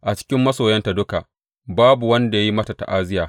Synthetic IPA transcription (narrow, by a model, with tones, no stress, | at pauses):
ʔa˨t͡ʃɪ̥˦kʲɪ˦mːɐ˦soː˨jɐ˦nta˨dʊ˦ka˨ʔ | baː˦bu˨wɐ˦nda˨ja˦ji˦mɐ˦ta˨ta̰˨ʔaː˦zɪ˦jaː˨